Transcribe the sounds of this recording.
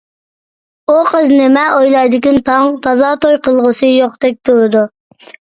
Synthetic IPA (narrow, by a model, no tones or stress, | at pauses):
uqʰəznɪmɛojlˠɑjd̪ɪkʲint̪ʰɑŋt̪ʰɑzɑt̪ojqəlˠʁʊsɨjoqd̪ɛk̚ʲt̪uɾɨd̪u